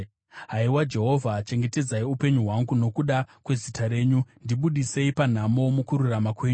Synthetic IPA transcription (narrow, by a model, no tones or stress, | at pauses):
ɦaiwad͡ʒe̞ɦo̞vʱat͡ʃe̞ŋɡe̞te̞d͡zaiupe̞ɲuɦwaŋɡuno̞kuɗakwe̞zitaɾe̞ːɲundiɓuɗise̞ipan̤amo̞mukuɾuramakwe̞ːɲu